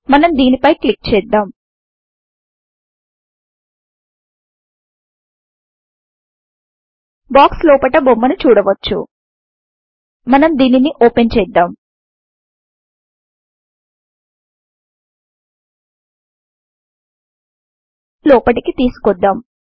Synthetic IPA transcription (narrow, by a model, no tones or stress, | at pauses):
mɐnɐmd̪iːnipɐjklik̚t͡ʃɛːd̪ːaːm | baːkslɔːpɐʈɐbomːɐnut͡ʃuːɽɐʋɐt͡ʃːṵ | mɐnɐmd̪iːniniʔoːpent͡ʃɛːd̪ːaːm | lɔːpɐʈikit̪iːsu̥kɔd̪ːaːm